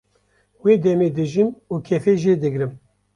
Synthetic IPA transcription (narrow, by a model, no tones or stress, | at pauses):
weːd̪ɛmeːd̪ɨʒimuːkʰɛfeːʒeːd̪ɨɡɾɨm